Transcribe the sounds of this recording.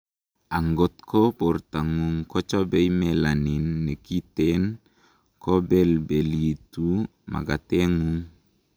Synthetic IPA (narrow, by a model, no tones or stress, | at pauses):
aŋɡɔt̪̚kʰɔpɔrt̪aŋuŋkɔt͡ʃɔbejmelaninːekit̪ɛn | kɔbɛlbelitu | ma̰ɡateŋuŋ